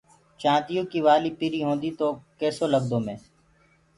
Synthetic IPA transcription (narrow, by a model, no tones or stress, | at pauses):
t͡ʃãːt̪ijõːkiʋaːliːpiɾiːɦõːnd̪iːt̪oːkɛːsoːləɡd̪oːmẽː